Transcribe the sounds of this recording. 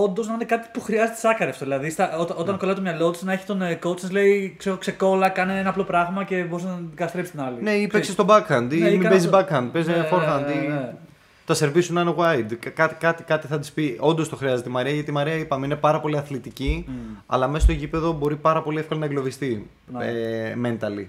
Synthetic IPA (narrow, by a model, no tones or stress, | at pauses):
o̞nd̪o̞znɐinekɐt̪i̥puxɾiɐzet̪e̥sɐkɐɾeɐft̪oðilɐðist̪ɐot̪o̞t̪ɐŋkolɐt̪omɲɐlo̞t̪i̥snɐe̞çi̥t̪o̞nekowt͡sɐzle̞ikseɣokse̞ko̞lɐkɐneenɐplo̞pɾɐɣmɐce̞bo̞ɾiznɐkɐt̪ɐst̪ɾepsi̥st̪inɐlineipeksest̪o̞bɐkːɐnd̪imiɐbezizbɐkːɐnd̪̚pezefoɾɣɐnd̪ie | t̪ɐseɾvisunɐneɣwajd̪kɐt̪i̥kɐt̪ikɐt̪iθɐt̪i̥spio̞nd̪ost̪o̞xɾiɐze̞t̪imɐɾiɐʝɐt̪imɐɾiɐipɐmeine̞pɐɾɐpo̞liɐθlit̪iciɐ̰lɐmesstoe̞cipe̞ðo̞bo̞ɾipɐɾɐpo̞liefkɐlɐnɐeɡlo̞vist̪i | eme̞nt̪ɐli